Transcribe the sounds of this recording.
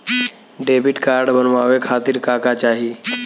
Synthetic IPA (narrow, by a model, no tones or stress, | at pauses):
ɖebiʈkaɾɖbənʋaʋekʰat̪iːɾkakat͡ɕaɦi